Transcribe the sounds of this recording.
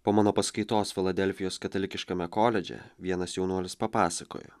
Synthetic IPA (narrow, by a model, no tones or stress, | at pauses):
poːmɑːnoːpɐskɐɪt̪oːsfʲɪlˠɐd̪ʲɛlʲfʲɪjoːskɐt̪ɐlʲɪkʲɪʃkɐmʲɛkoːlʲɛd͡ʒʲɛ̰ʋʲiɛnɐsjɛʊnuɔlʲɪspɐpɑːsɐko̰ːjo̰